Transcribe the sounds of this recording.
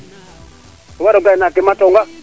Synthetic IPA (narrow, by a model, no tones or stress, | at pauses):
tɔwaɾɔɡaɛnakimatɔŋɡa